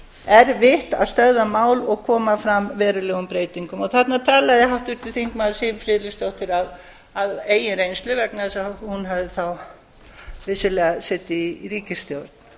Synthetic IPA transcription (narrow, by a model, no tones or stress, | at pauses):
ɛɾvɪht̪a̰ðst̪œððamaːwlɔɣkʰɔːmafɾamvɛːɾʏlɛːɣʏmpɾeːjt̪iŋkʏmɔɣθɛt̪nat̪ʰaːlaɣðɪɦawht̪ʏɾ̥t̪ʰɪlθiŋ̥kmaðlsifɾɪːlɪst̪owht̪ɪɾav | aðeːjɪnɾejnst̪lʏvɛknasahunɦavðɪθaw | vɪsʏlɛːɣasɛːt̪ɪiriːcɪst̪jowɾ̥t̪̚n̥